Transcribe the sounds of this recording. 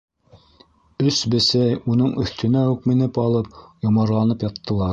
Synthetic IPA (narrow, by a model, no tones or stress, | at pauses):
ɵsbɘ̆sæjunɤɴɵ̆θt̪ɵ̆næʉkmɘ̆nɘpɑlˠɤp̚jŏmɑɾlˠɑnɤpjɑt̪ːɤ̆lˠɑɾ